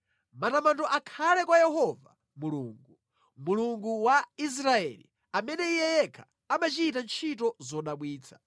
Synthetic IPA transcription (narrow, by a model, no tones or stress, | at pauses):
matamantɔʔakʰalɛkwajɛɦɔva̰ | muluːŋɡu | muluŋɡuwais̬ɾaɛ̰lḭ | amɛnɛijɛjɛkʰḁ | amat͡ʃiit̬ant͡ʃʰit̬ɔzɔɗaɓwiːt͡sʰḁ